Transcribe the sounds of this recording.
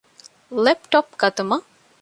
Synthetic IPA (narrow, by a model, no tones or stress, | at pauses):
lepʈɔp̚ɡɐt̪umɐ